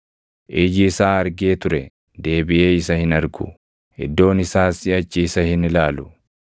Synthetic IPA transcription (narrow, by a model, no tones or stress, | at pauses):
ʔiːd͡ʒɪsaːɐɾɡe̞ːt̪ʊɾɛ | d̪e̞ːbɪʔe̞ːɪsɐhɪnɐɾɡʊ̰ | ɪ̰d̪ːo̞ːnɪsaːsɪɐt͡ʃːiːsɐhɪnɪlaːlʊ